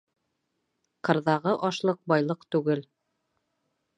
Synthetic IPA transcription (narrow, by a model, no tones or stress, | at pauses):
qɤ̆ɾðɑʁɤʔɑʃlˠɤq̚bɑjlˠɤqt̪ʉɡɘl